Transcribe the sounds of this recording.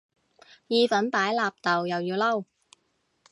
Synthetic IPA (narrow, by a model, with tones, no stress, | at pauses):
jiː˨˧fɐ˨˥npaː˨˥jlaː˨˧p̚t̪ɐ˨wjɐ˨wjiː˧wlɐ˥w